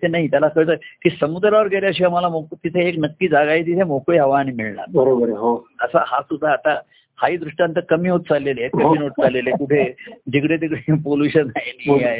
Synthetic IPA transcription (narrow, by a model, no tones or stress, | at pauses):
t̪ʰenaɦit̪jalakəɭt̪əkiːsəmud̪ɾaʋəɾɡeɾeəɕ̬iːam̤alamoɡt̪it̪ʰeːknəkːiːd͡zaɡaiːt̪̬it̪ʰemokːɦəʋaːɽ̃iːmiɭɳa̰ɾbəɾobəɾeɦoəsa̰hasud̪ʱːaːt̪a | haiːd̪ɾuʂʈjant̪əɾkəmiːɦot̪̚t͡salːelet̪əɦmiːnoʈ̚t͡salelekuʈʰed͡ʑikɽet̪̬ikɽepoljuɕənːajniɦiaɦe